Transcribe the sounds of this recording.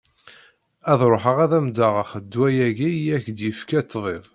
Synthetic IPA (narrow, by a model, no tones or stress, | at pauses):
æðɾˤoħəʁæðæmd̪aʁəχəd̪ːwæjæʝiæçd̪jəfkæt͡s̪ːðˤeðˤ